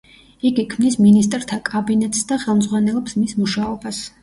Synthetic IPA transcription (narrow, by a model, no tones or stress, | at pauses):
iɡikʰmnisminis̬t̪ʼɾt̪ʰakʼabinɛt̪ʼsd̪aχɛlˠmd̪zʁwanɛlˠɔpsmismuʃaɔbas